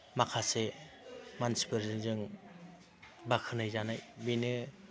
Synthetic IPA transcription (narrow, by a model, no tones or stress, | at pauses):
makʰase | mansi̥pʰɯɾzɯŋzɯŋ | bakʰɯnɯjzanajbinɯ